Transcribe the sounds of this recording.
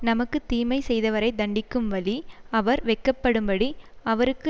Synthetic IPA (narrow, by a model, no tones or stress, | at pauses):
nɐmɐkːɯt̪iːmɐɪsɛjðɐʋɐɾɐɪd̪ɐɳɖɪkːɯmʋɐɭiɐʋɐɾʋɛkːɐpːɐɽɯmbɐɽiɐʋɐɾɯkːɯ